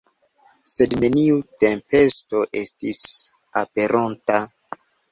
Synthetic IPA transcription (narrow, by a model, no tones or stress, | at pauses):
se̞dne̞niute̞mpe̞sto̞ʔe̞stis | ape̞ɾʔonta